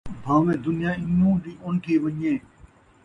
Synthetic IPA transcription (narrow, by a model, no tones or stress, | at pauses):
bʱãːʋẽːd̪ʊnɪjãːɪnũːɗiːʊnʈ̪ʰiːʋɐɲẽː